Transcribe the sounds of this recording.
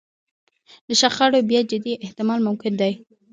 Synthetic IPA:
d̪əʃaχɑɽobjɑd͡ʒɪd̪iʔɪht̪ɪmɑlmʊmkɪnd̪aj

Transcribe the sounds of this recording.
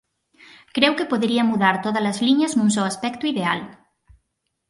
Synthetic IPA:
kɾewkepoðɾiamuðaɾt̪oð̞alɐzliɲaznũnsɔwaspɛkt̪uiðeal

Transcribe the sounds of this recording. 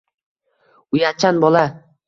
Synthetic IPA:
ʊjat͡ʃʰanbɒlˠa

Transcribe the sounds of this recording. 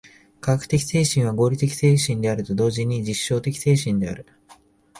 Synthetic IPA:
kaɡakɯ̟̥t̪e̞kʲi̥se̞ːɕĩɰ̃βaɡo̞ːɾʲit̪e̞kʲi̥se̞ːɕĩnd̪e̞aɾɯt̪o̞d̪o̞ːʑiɲ̟id͡ʑiɕːo̞ːt̪e̞kʲi̥se̞ːɕĩnd̪e̞a̰ɾɯ̟

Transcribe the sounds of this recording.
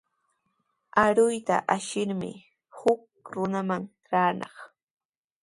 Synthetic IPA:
aɾʊjt̪a̰ʔaʃɪɾmɪ̰ | hʊk̚ɾʊnamaŋ | ɾaːnʔɑχ

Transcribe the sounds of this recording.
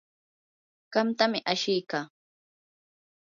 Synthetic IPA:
ɢ̥ɑmt̪amɪʔaʃɪjkaː

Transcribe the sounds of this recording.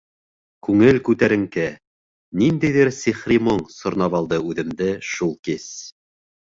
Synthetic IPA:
kʉŋɘlkʉt̪æɾɘ̆ŋkæ | nind̪æjðɘɾsiχrʲimoɴsŏɾnɑβɑlˠd̪ɤʉðɘ̆md̪ɘʃulˠkis

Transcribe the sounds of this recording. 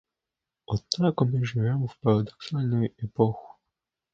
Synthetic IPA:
ɔt̪ːakɔmɪʐɪvʲɛmɔwpɐɾad̪ɔksalʲnɔjɛpɔxu̥

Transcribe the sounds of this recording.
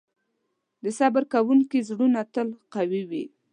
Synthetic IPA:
d̪əsabaɾkawuŋkizɽunat̪əlqawiwi

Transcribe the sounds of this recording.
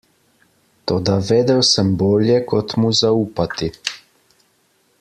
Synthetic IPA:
t̪oːd̪aʋeːd̪ɛwsəmboːljɛkɔt̪muzauːpat̪i

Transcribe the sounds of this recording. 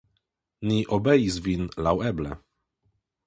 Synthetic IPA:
niʔɔbɛjizvinlawɛblɛ̰

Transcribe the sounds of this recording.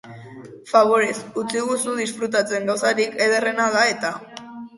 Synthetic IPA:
faβo̞ɾe̞sut͡siɣusuðisfɾut̪at͡se̞ŋɡawsaɾike̞ðe̞re̞naðae̞t̪a

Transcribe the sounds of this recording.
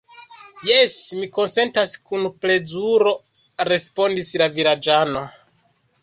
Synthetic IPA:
je̞smiko̞nse̞ntaskunple̞zuɾo̞ | ɾe̞spo̞ndislaviɾad͡ʒano̞

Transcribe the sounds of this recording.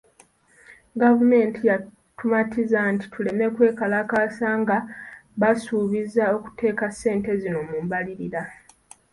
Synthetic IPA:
ɡavume̞ːntija | tumatizanti̥tʰule̞me̞kwe̞ːkalakaːsaŋɡaβasuːβizao̞ku̥te̞ːkasːe̞ːnte̞zino̞muːmbaliɾiɾa

